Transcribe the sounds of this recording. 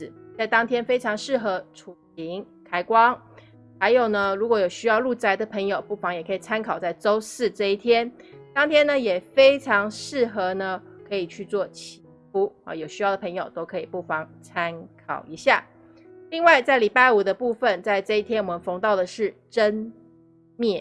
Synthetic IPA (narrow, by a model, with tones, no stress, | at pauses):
t͡sa˥˩ɪt̪ɑ˥ŋt̪ʰjɛ˥nfe˥ɪʈ͡ʂʰɑ˧˥ŋʂɻ̩˥˩xɤ˧˥ʈ͡ʂʰu˨˩li˧˥ŋ | kʰa˥ɪkwɑ˥ŋ | xa˧˥ɪjo˨˩ʊnə˦ɻu˧˥kwɔ˧˥jo˨˩ʊɕy˥jɑ˥˧ʊlu˥˩t͡sa˧˥ɪd̪ə˨pʰɤ˧˥ŋjo˨˩ʊpu˥˩fɑ˧˥ŋjɛ˨˩kʰɤ˧˥i˨˩t͡sʰa˥nkʰɑ˨˩ʊt͡sa˥˩ɪt͡so˥ʊsɹ̩˥˧ʈ͡ʂɤ˥˧i˥˩t̪ʰjɛ˥nt̪ɑ˥ŋt̪ʰjɛ˥nə˨jɛ˨˩fe˥ɪʈ͡ʂʰɑ˧˥ŋʂɻ̩˥˩xɤ˧˥nə˧kʰɤ˧˥i˨˩t͡ɕʰy˥˧t͡swɔ˥˩t͡ɕʰi̥˧˥fʰu˥ɐ̰˧˩jo˨˩ʊɕy˥jɑ˥˩d̪ə˩pʰɤ˧˥ŋjo˨˩ʊt̪o˥ʊkʰɤ˧˥i˨˩pu˥˩fɑ˧˥ŋt͡sʰa˥nkʰɑ̰˨˩ʊi˧˥ɕja̰˥˩ | li˥˧ŋwa˥˧ɪt͡sa˥˩ɪli˨˩pa˥˩ɪu˨˩d̪ə˦pu˥˩fə˨nt͡sa˥˧ɪʈ͡ʂɤ˥˧i˥˩t̪ʰjɛ˥nwɔ˨˩mə˧˦nfo˧˥ŋt̪ɑ˥˩ʊd̪ə˩ʂɻ̩˥˩ʈ͡ʂə˥n | mjɛ˥˩